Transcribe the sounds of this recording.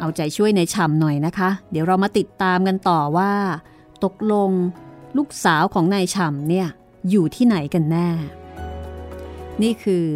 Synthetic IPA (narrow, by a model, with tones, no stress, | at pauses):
ʔa˧wt͡ɕa˨˩t͡ɕʰu˥˩əjna˧jt͡ɕʰa˧mnɔ˨˩jna˦˥kʰa˦˥di˩˦wɾa˧wmaː˧t̪i˨˩t̪ːaː˧mka˧nt̪ɔː˨˩waː˥˩ | t̪o˨˩k̚lo˧ŋluː˥˩k̚saː˩˦wkʰɔː˩˦ŋnaː˧jt͡ɕʰa˧mni˥˩ɐ | juː˨˩t̪ʰiː˥˩na˩˦jka˧nːɛː˥˩ | niː˥˩kʰɯː˧